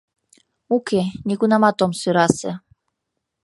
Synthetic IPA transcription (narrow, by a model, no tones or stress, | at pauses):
ukenʲikunamat̪omsyɾasḛ